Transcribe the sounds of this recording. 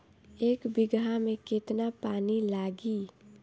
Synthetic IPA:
eːkbɪɡɦamẽkɪt̪napaːnilaːɡiː

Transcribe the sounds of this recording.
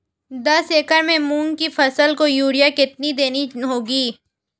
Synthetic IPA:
d̪ɐseːkəɾmẽmũːnkifʰɐsəlkojuːɾijakɪt̪̚nid̪eːniɦoːɡiː

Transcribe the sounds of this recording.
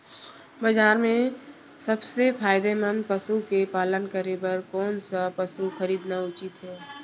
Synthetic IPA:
bɐzaːɾmẽ | sɐbsepʰaːjɪd̪emə̃nd̪̚pɐsukepaːlənkəɾepɐɾkɔːnsapɐsuxɐɾiːd̪naʊt͡ʃɪt̪ɦɛː

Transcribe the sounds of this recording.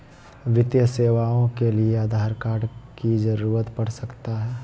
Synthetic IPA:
ʋɪt̪jəseːʋaːõkelieaːd̪ʱaːɾkaːɽkid͡ʒəɾuːɾət̪pɐɽsɐkt̪aɦɛː

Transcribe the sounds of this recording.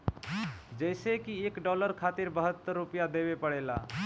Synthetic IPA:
d͡ʒəɪsekiekɖɔləɾkʰat̪iɾbəɦət̪ːəɾːupjad̪eβepəɽela̰

